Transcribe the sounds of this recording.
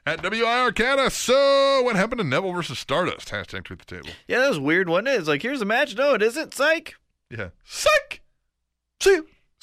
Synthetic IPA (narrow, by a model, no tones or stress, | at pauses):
ɨt̚d̥ʌbl̩ˠjʉaɪɑɹkʰæɾəsoʊwʌt̚hæpn̩tʰɨnɛvl̩ˠvɜ˞sɨz̥stɑɹɾʌ̰stʰæ̰stʰæ̰̃ntʰwiðə̥tʰḛɪbl̩ˠjæðæswɪɹd̚wʌ̃nɪzlaɪkhiɹzəmæt͡ʃnoʊɨɾɪzɨ̃ntseɪk | jæ̰ | sɪk | si